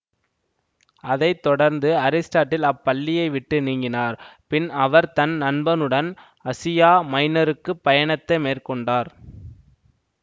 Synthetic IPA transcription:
ɐðɐɪt̪ːɔɽɐɾnd̪ɯɐɾɪsʈaːʈːɪlɐpːɐlːɪjɐɪʋɪʈːɯniːŋɡɪnaːɾpɪnɐʋɐɾt̪ɐnnɐnbɐnɯɽɐn | ɐsɪjaːmɐɪnɐɾɯkːɯpːɐjɐɳɐt̪ːɐɪmeːrkɔɳɖaːɾ

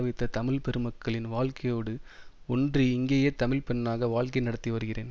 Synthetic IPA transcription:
ɐʋɪt̪ːɐt̪ɐmɪɭpɛɾɯmɐkːɐɭɪnʋaːɭkɐjoːɽɯ | ɔndriɪŋɡeːjeːt̪ɐmɪlpɛnːaːɣɐʋaːɭkɐɪnɐɽɐt̪ːiʋɐɾɯɣɪrḛːn

